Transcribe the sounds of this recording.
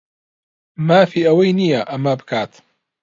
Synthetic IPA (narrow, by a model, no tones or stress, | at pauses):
maːfiːʔɐwɐjnijɐʔɐmabɨkʰaːt̪